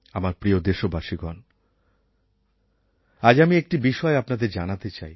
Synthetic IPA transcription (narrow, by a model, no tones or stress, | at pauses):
amaɾpɾiod̪eʃobaʃiɡɔn | ad͡ʑamiek̚ʈibiʃɔeapnad̪eɾd͡ʑanat̪et͡ɕaj